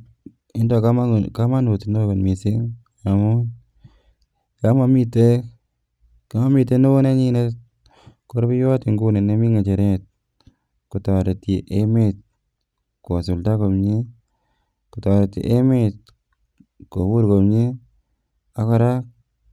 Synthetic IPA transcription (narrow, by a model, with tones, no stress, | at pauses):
i˦ndo˨ka˦ma˦ka˦ma˦nu˨ti˨no˦ka˨nmi˨si˦ŋ | a˨mo˦ | ka˦ma˦mi˨te˦ | ka˦ma˦mi˨te˦no˦ne˦ɲi˦ne˦ | ko˦ɾbi˦jo˦ti˨ŋɡu˦ne˨ne˦mi˦ŋa˨t͡ʃe˨ɾe˦˨t̚ | ku˨ta˨wa˨ɾe˨ti˨ʔe˦me˦t̚ | ko˨su˨lta˦ko˨mɲi˦ | ku˨ta˨wa˨ɾe˨tḭ˨ʔe˦me˦t̚ | ko˨bu˦ɾko˨mɲi˦ | a˦ka˦ɾa˦k̚